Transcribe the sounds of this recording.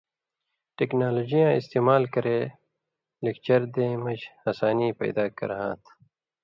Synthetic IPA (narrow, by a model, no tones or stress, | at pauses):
ʈeknaːloːd͡ʑijãːɪst̪eːmaːlkɐɾeː | lekt͡ʃɐɾd̪ẽːmɐd͡ʑɐsaːniːpɐ̰ːd̪aːkɐ̰ɾɦã̰ːt̪ʰ